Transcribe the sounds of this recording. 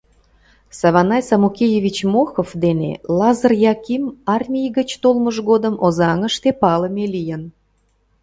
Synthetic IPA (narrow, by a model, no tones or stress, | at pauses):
sɑβɑnɑjsɑmukʲejevʲit͡ɕmoxofd̪enḛlˠɑzərjɑkimɑrmʲijɡət͡ɕt̪olməʒɣod̪əmʔozɑŋəʃt̪epɑləmelijən